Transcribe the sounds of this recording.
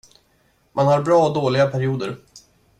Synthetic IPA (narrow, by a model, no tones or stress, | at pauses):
mʔanhaɾbɾɑːɔd̪oːlɪɡapʰæɾɪuːd̪əɾ